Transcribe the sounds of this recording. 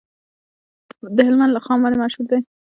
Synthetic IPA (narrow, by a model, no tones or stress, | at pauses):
d̪əɦɪlmand̪laxɑmaɾemaʃhuɾd̪ej